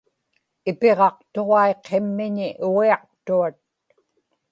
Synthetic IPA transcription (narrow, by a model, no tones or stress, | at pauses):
ɪpe̞ʁɑq̚t̪o̞ʁɑeqʰːe̞mːɪɲɪʔuɣiɑq̚t̪uat̪̚